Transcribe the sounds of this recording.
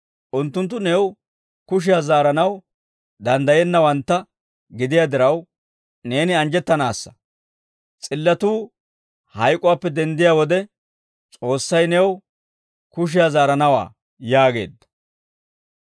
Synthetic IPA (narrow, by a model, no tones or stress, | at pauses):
ʔʊnt̪ːʊnt̪ːʊnɛw | kʊʃ̬ɪjazaːɾɐnɐw | d̪ɐnd̪ɐjɛnːɐwɐnt̪ːɐ | ɡɪd̪ɪjaːd̪ɪɾɐw | ne̞ːnɪɐnd͡ʒɛt̪ːɐnaːsːɐ̥ | t͡sʼɪlːɐt̪uː | hɐjkʼːɔwaːpːɛd̪ɛnd̪ɪjaːwɔd̪ɛ | t͡sʼo̞ːsːɐjnɛw | kʊʃ̬ɪjaːzaːɾɐnɐwa̰ː | jaːɡe̞̰ːd̪ːɐ̥